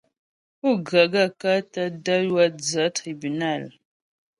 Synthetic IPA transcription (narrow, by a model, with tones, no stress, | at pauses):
u˦˨ɡa˨ɡa˦˨ka˦ta˦da˦jwa˦d͡za˨˦tɾi˨bu˨na˦˨l